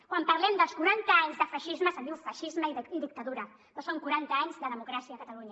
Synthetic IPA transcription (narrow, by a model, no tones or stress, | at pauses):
kkwampəɾlɛmd̪əlˠskuɾant̪əaɲzðəfəʃizməsəβiufəʃizməiðd̪ik̚t̪əðuɾə | nosoŋkuɾant̪əaɲzðəðəmukɾasiəːkət̪əluɲə